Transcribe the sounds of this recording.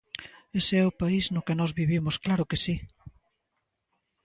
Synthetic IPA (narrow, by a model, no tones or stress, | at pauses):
eseɛʊpaiznʊkɪnɔzβiβimʊsklaɾʊkɪsi